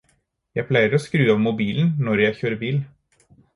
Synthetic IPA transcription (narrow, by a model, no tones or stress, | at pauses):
jæɪpʰlæɪəɾɔːskɾʉːɑʋmʊbiːln̩nɔɾjæɪçøːɾəbiːl